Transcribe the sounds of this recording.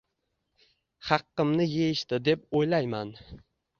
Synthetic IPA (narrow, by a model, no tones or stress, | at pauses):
χɑqːɨmnɪjejɪʃt̪ɪd̪e̞p̚ojlajman